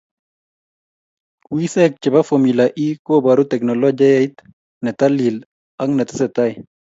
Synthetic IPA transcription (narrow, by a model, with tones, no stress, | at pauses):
wi˦sɛ˦k̚t͡ʃɪ˨ba˦fo˨milaʔi˦ko˦ba˨ɾu˦tɛ˨knɔlɔ˦d͡ʒa˦ja˦i˦t̪ | nɛ˨t̪a˦li˨l | a˦ŋnɛ˨tɪ˦sɛt̪a˦j